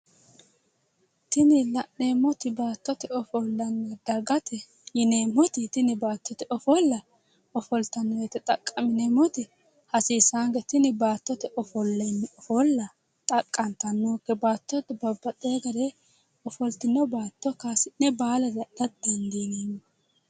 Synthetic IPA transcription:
t̪ɪnɪlɐnːeːmːɔt̪ɪbaːt̪ːɔt̪ɛɔfɔlːɐnːɛd̪ɐɡɐt̪ɛ | jɪneːmːɔt̪ɪt̪ɪnɪbaːt̪ːɔt̪ɛʔɔfɔlːɐ | ɔfɔlt̪ɐnːɔjɛt̪ɛt̪ʼɐkʼːɐmɪnemɔt̪ɪ | hɐsiːsaːŋɡɛt̪ɪnɪbaːt̪ːɔt̪ɛʔɔfɔlːɛnːɛɔfɔlːɐ | t̪ʼɐkʼːɐnt̪ɐnːuːkːɛbaːt̪ːɔt̪ɛbɐbːɐt̪ʼeːɡɐɾe | ɔfɔlt̪ɪnːɔbaːt̪ːɔkaːsɪnːɛbaːlɐd̪ɐʔɐt̪̚d̪ɛnd̪iːniːn

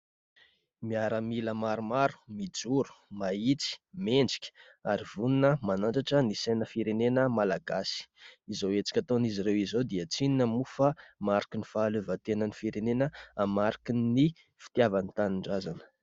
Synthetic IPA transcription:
miaɾəmiləmaɾumaɾu̥mid͡zuɾu̥mait͡si̥meɳd͡zi̥kʲə̥ | aɾivuninəmanaɳʈ͡ʂaʈ͡ʂənisejnəfiɾenenəmalaɡasi̥izowet͡si̥kʲat̪oniziɾewizod̪iət͡sininəmufamaɾikinifaːløvət̪enənifiɾenenəamaɾikini | fi̥t̪javanit̪aniɳɖ͡ʐazanə̥

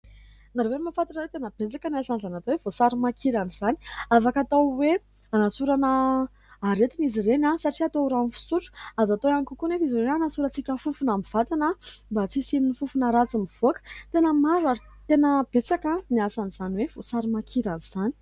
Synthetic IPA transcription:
naɾewemafat̪iʈ͡ʂawet̪enəb̥et͡sakəniasanizanat̪owev̥osaɾimakʰiɾaniz̥ani̥afakat̪awe | anasuɾanəː | ɾet̪iniziɾenasaʈ͡ʂiat̪oɾaunfi̥suʈ͡ʂu̥azat̪oanikukunefizirenanasuɾət͡sikʲəfufunamiv̥at̪anəmbat͡sisininifufunəɾat͡simiv̥oakə̥t̪enəmaɾwaɾi | t̪enəb̥et͡sakəniasaniz̥aniwev̥osaɾimakʰiɾaniz̥ani̥

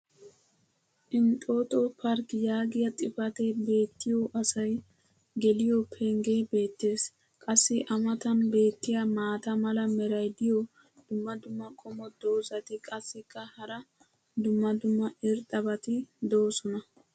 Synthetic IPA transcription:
ʔɪnt̪ʼo̞ːt̪opʰɐɾkjaːɡɪjɐt̪ʼɪfɐt̪ebe̞ːt̪ːɪjoʔɐsɐj | ɡɛlɪjopʰɛŋɡe̞be̞ːt̪ːe̞ːs | kʼɐsːɪʔɐmɐt̪ɐnbe̞ːt̪ːɪjɐmaːt̪ɐmɐlɐmɛɾɐjd̪ɪjɔ | d̪̥ʊmːɐd̪ʊmːɐkʰʼɔmɔd̪o̞ːzɐt̪ɪkʼɐsːɪkːɐhɐɾɐ | d̪ʊmːɐd̪ʊmːɐɪɾt̪ʼɐbɐt̪ɪd̪oːsɔnɐ

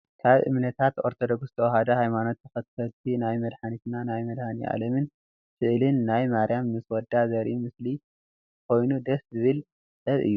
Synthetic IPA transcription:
kʰaβʔɨ̰mnɐt̪ʰat̪o̞ɾt̪ʰod̪o̞ɡsɨ̥t̪ʰɐwhad̪ɐhajmano̞t̪ːɨxɐt̪kʰɐlt̪ʰinajmɐd̪ħanit̪nanajmɐd̪haniʔa̰lɐmɨn | sɨʔlɨnːajmaɾijamnɨswɔd̪ːazɐɾʔimɨsli | kʰo̞jnud̪ɐszɨβɨl | sɐβɨ̰jːu

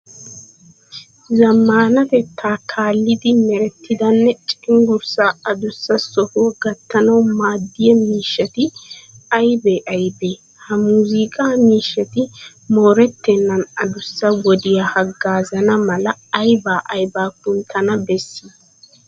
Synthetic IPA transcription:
zɐmːaːnɐfɛt̪ʰːaːkʰaːlːɪd̪ɪmɛɾɛt̪ːɪd̪ɐnːɛt͡ʃʼɪ̥ɪŋɡʊɾsaːɐd̪ʊsːɐsɔhuɡɐt̪ːɐnɐwmaːd̪ːɪjɛmiːʃːɐt̪ɪɐjbeːʔɐjbeː | hɐmuːzikʼaːmiːʃːɐt̪ɪ | moːɾɛt̪ːɛnːɐnɐd̪ʊsːɐwɔd̪ɪjahɐɡːaːzɐnɐmɐlɐɐjbaːʔɐjbaːkʊnt̪ʰːɐnɐbɛsːiː

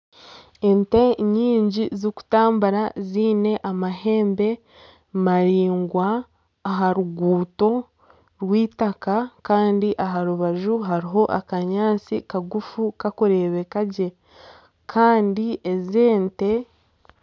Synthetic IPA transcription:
e̞nte̞ɲiːɲɟizoku̥taːmbaɾaziːne̞ʔamaɦe̞ːmbe̞ | maɾiːŋɡwaː | ɦaɾuɡuːto̞ | ɾwiːtakakaːndiʔaɦaɾuβaʒuɦaɾiɦo̞ʔa̰kaɲaːt͡sikaɡufukakoɾe̞βe̞kaɟe̞ | kʰaːndieze̞ːnte̞

